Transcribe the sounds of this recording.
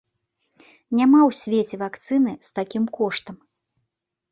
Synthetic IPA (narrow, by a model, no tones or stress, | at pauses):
nʲamawsʲvʲet͡sʲɛvakt̪sɨnɨst̪akʲimkɔʂt̪ɐm